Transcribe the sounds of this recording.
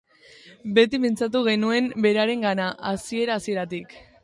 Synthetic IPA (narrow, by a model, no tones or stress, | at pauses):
be̞t̪ipe̞nt͡sat̪̬uɣ̞e̞nue̞mbe̞ɾaɾe̞ŋɡanaʔasie̞ɾaːsie̞ɾat̪ik